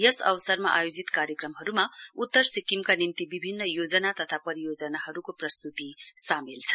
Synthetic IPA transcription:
jʌsʌ̰wsʌrma̰ʔajod͡zit̪kaɾjʌkrʌmɦʌɾumaut̪ːʌrsikimkanimt̪ibibʱinːʌjod͡zʌnat̪ʌt̪ʰapʌɾijod͡zʌnahʌɾukoprʌst̪ut̪isamilt͡sʰʌ̥

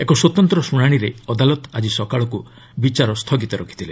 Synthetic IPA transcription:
ekɔswot̪ɔnt̪ɾɔsuɽ̃aɽ̃iɾeɔd̪alɔt̪ad͡ʒisɔkaɭɔku | bit͡ʃaɾɔst̪ʰɔɡit̪ɔɾɔkʰi̥t̪ʰile

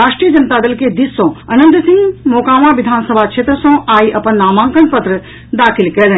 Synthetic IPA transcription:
aːʂʈɾiːjəd͡ʒɐnt̪aːd̪ɐlked̪isːõːɐnə̃nd̪sĩŋɡmoːkãːʋãːʋid̪ʱaːnsəbʱakt͡ʃʃʰeːt̪ɾəsõːʔaːiʔɐpɐnːaːmãːŋkənpət̪ɾə | d̪aːkʰilkɐlə

